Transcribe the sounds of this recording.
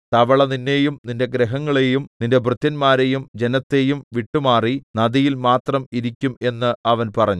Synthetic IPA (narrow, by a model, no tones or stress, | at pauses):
t̪ɐʋɐɭɐninːe̞jumninde̞ɡɾeɦɐŋːɐɭejumninde̞brɨt̪ːɐnmaːɾe̞jumd͡ʑe̞nɐt̪ːe̞jumʋiʈːumaːrinɐðijilmaːt̪rɐmiɾikʲːume̞nːɨɐʋɐnpɐrɐɲːu